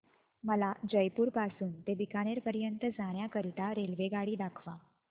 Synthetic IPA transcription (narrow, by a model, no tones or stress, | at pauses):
məlad͡ʑəjpuːɾpasuːnt̪ebikaɽ̃eɾpəɾjənt̪əd͡zaɽ̃jakəɾit̪aɾelʋeɡaɽiːd̪akʰʋa